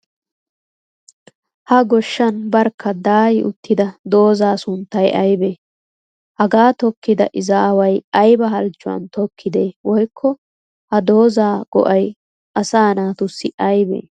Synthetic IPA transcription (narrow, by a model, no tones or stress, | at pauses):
hɐɡɔʃːɐnbɐɾkʰːɐd̪aːjɪʔʊt̪ːɪd̪ɐd̪o̞ːzaːsʊnt̪ːɐjʔɐjbe | hɐɡaːt̪ɔkːɪd̪ɐ̰ʔɪzaːwɐjɐjbɐɦɐlt͡ʃːʊwɐ̰nt̪ɔkʰːɪd̪e̞ːwɔjkʰːɔ | hɐd̪o̞ːzaːɡ̥ɔ̰ʔɐj | ʔɐsaːnaːt̪ʊsːɪʔɐjbḛː